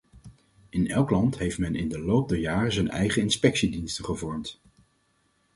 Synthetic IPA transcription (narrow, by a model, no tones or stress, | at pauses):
ɪnɛlˠklɑntɦejftmɛnʔɪ̰ndəlowp̚dɛɹjaːrəzənɛ̰jχənɪnspɛksidinstənχəvɔɹmt